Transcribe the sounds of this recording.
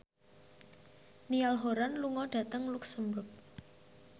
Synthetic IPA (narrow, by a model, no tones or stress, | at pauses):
nialɦoɾanluŋɔɖ̥ä̤t̪əŋluksəmbɾʊp̚